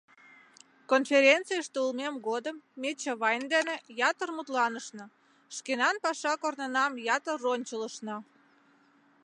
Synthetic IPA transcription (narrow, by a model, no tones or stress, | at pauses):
konfʲeɾʲent̪t͡sɨjəʃt̪eulmemɡod̪əmːet͡ɕɑβɑjnd̪enejɑt̪ərmut̪lɑnəʃnɤ̆ | ʃkenɑnpɑʃɑkornənɑmjɑt̪əronʲt͡ɕələʃnɑ